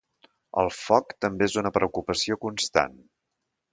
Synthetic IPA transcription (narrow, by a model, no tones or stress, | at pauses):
ə̰lˠfɔkt̪əmbeezunəpɾəukupəsiokunst̪a̰n